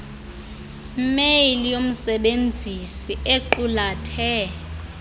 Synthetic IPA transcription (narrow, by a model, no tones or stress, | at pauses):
meilijom̩sɛɓend͡zʱisieǃulatʰɛ